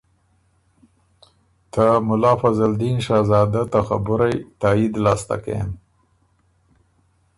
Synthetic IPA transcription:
t̪əmʊlɑːfazald̪inʃɑzɑːd̪at̪axabʊɾajt̪ɑːid̪lɑːst̪a̰ka̰m

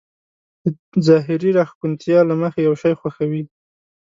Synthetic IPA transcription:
ə | zɑɦɪɾiɾaxkunt̪jɑlaməxejawʃɑjxwaxawi

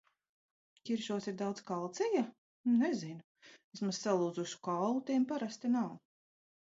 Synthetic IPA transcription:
kʲiɾʃuɔsiɾd̪awd̪zkalˠt̪sija | nezinu | esmazsalˠuːzuʃu̥kawlˠut̪ʲiɛmpaɾast̪inaw

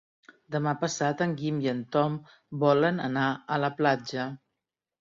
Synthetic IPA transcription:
d̪əmapəsat̪əŋɡimiənt̪ɔm | bɔlənənaələplad͡ʒə

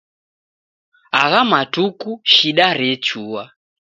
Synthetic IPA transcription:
aɣamatukuʃiɗaɾɛt͡ʃuːwa

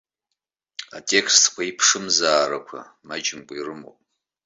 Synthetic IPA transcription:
atʰʼe̞kʰstʰkʷʰaipʰʂɨmzaːɾakʷʰa̰ | mad͡ʒɪmɡʷʼirɨmo̰pʼ

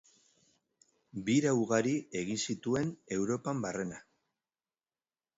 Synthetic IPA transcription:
biɾawɣaɾie̞ɣinsit̪ue̞ne̞wɾo̞pambare̞na

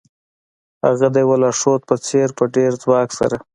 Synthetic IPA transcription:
ha̰ɣad̪ajwalɑʂot̪̚pət͡seɾpəɖeɾd͡zwɑːksa̰ɾa

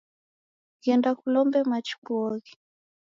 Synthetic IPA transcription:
kiɛndakulɔmbɛmat͡ʃi̥kuɔɣi

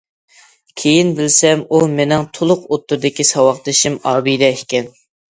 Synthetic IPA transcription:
kʲʰejinbɪlsɛmumenɪŋt̪ʰolˠʊqot̪ːʊɾd̪ɪkʲisɑwɑχt̪ɨʃimɑːbijd̪ɛʃkʲɛn

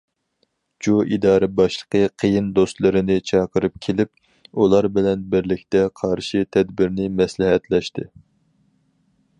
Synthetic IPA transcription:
d͡ʒuʔid̪ɑːɾɛbɑʃlˠə̥qʰəqʰəjind̪ost̪lˠɨɾɨnɪt͡ʃʰɑqʰəɾɨp̚kʲʰelɪp̚ | ulˠɑɾbɪlɛnbɪɾlɪkʲt̪ɛqʰɑɾʃit̪ʰɛd̪bɪɾnɪmɛslɪɦɛt̪lɛʃt̪ɪ

